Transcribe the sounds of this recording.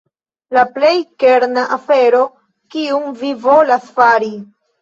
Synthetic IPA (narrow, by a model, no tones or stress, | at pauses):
laple̞jke̞ɾnaʔafe̞ɾo̞ | kiumvivo̞lasfaɾi